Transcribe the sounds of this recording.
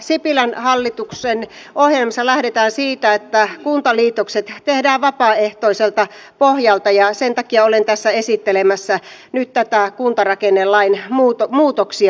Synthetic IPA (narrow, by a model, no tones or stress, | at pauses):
sipilænhɑlːit̪uksen | ohjelmɑsɑlæhɾet̪æːnsiːt̪æet̪ːækunt̪ɑliːt̪okset̪t̪ehdæːʋʋɑpɑːeht̪oiselt̪ɑ | pohjɑlt̪ɑjɑsent̪ɑkiɑolent̪æsːæesit̪ːelemæsːænyt̪t̪æt̪ækunt̪ɑrɑkenːelːɑinmut̪omuːt̪oksiɑ